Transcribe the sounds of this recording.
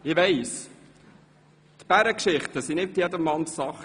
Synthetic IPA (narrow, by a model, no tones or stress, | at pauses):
ɪʋɛɪs | t̪b̥æɾəkʃɪχt̪əsinɪtjɛdəmːɑntsɑχ